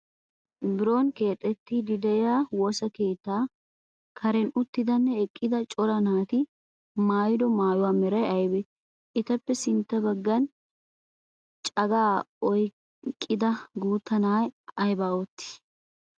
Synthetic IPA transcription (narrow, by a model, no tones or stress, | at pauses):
bɪɾo̞ːnke̞ːt̪ʼːɛt̪ːɪd̪ɪd̪ɛjaːwoːsɐke̞ːt̪ːaː | kʰɐɾɛnʊt̪ːɪd̪ɐnːɛɛkʼːɪd̪ɐt͡ʃʼɔɾɐnaːt̪ɪ | maːjɪd̪ɔmaːjʊwaːmɛɾɐjɐjbɛ | ʔɪt̪ɐpːɛsɪnt̪ːɐbɐɡːɐn | t͡ʃʼɐɡaːɔj | kʼːɪd̪ɐɡuːt̪ːɐnaːjɐjbaːɔt̪ːɪ̥s